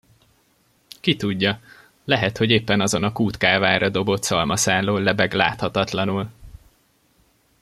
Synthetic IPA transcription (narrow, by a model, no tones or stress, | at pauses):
kit̪uɟːɒ | lɛɦɛt̪ho̞ɟeːpːɛnɒzo̞nɒkuːt̪kaːvaːɾɒd̪o̞bo̞t̪sɒlmɒsaːlːoːlɛbɛɡla̰ːt̪hɒt̪ɒt̪lɒnul